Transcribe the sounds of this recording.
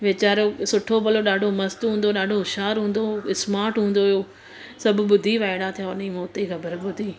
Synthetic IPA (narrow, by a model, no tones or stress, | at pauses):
ʋet͡ɕaːɾosʊʈʰobɐloɗaːɖʱomɐst̪ɦũːnd̪oɗaːɖʱoʃaːɾɦũːnd̪oɪsmaːɾʈɦũːn̆d̪oːjoː | sɐbʱʊɓʊd̪ʱiʋaːɪɽ̃at̪ʰijaʊnĩmoːt̪eɣɐbʱəɾɓʊd̪ʱiː